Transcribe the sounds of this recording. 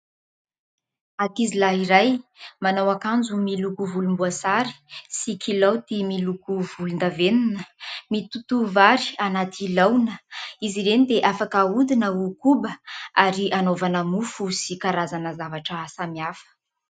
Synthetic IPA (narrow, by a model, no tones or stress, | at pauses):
akizilaiɾajmanawakand͡zumilukuvulumbuasaɾi̥sikʰilawt̪imilukuvulund̪aveninəmit̪ut̪uvaɾi̥anat̪ʰilawnəiziɾenid̪eʔafakaud̪inəukubəaɾiʔanovanəmufusikaɾazanəzavaʈ͡ʂəsamiafə̥